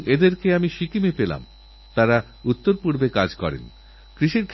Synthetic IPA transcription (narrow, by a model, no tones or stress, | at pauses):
ed̪eɾkeamiʃikimepela̰m | t̪aɾa | ut̪ːoɾpuɾbekad͡ʑkɔɾḛn | kɾiʃiɾkʰ